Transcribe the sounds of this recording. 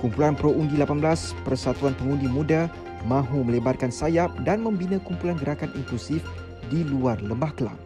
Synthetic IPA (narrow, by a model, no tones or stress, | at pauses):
kumpulanpɾoundilapanblaspərsat̪uanpəŋundimũda | mãɦumə̃lebarkansajap̚danmə̃mbinãkumpulanɡəɾakanʔiŋkusif | diluarləmbahkla̰ŋ